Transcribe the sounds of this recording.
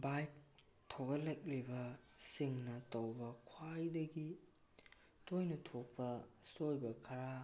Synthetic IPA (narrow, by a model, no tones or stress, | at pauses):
baj | tʰːoɡɐlajk̚libɐsiŋnɐtowbɐkʰwajdɐɡi | tojnɐtʰok̚pɐsojbɐkʰɐɾa